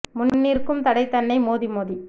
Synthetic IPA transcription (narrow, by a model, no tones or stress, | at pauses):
mʊnnːiːrkɯmt̪ɐɽɐɪt̪ːɐnːɐɪmoːðimoːði